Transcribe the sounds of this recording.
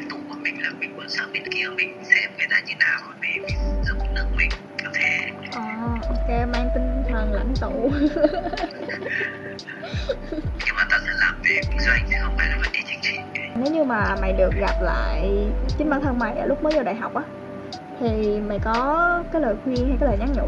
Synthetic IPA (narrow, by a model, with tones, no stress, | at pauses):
nt̪u˧˩ku˧˩əmï˨˩ŋ̟laː˨˩mï˨˩ŋ̟kə̰˧˥nsa˦˥k̚ɓi˧˩˦nki˧ə˧wmï˨˩ŋ̟˧sɛ˧mkə˨˦jzaː˧˦˥ɲɨ˧˦naː˨˩wo˧˩˦mḭ˨˩mi˨˩ŋ˧zə˦˥m˨˩t̚nɨ˦˥ək̚mï˨˩ŋ̟ | ka˧˩t̪ʰe˧˨˦ʔɔː˨˩ʔo˧ke˨˦maː˧ŋt̪ï˧ŋ̟t̪ʰə˨˩ŋla̰˧˨jŋ̟t̪u˧˩ | ɲɨ˧maː˨˩t̪ɔ˧˩t̪ʰə˧˩laː˨˩mve˨˩˨zwŋzʰi˨˧˩hə˧˩wŋ͡mma̰ː˧˨jna˨˦və̰˧˩t͡ɕḭ˧˩t͡ɕa˧˩jŋ̟t͡ɕi˧˩˧ne˨˦wɲɨ˧maː˨˩ma̰˧˨jɗɨ˨˩ə˩k̚ɣa˨˩p̚la̰ː˧˨jt͡ɕi˨˦nɓaː˧t̪ʰə˧ŋma̰˨˩jʔə̰ː˧˩lʊ˦˥k͡p̚məː˨˦jzəː˨˧˩wɗaː˧˨jɦa˨˩wk͡p̚ʔaː˨˦ | t̪ʰi˨˩ma˨˩jkɔ˨˦kaː˨˦jləː˨˩jxwi˧ənha˧jkaː˨˦ləː˨˩jɲa˦˥k̚ɲə̰˧˥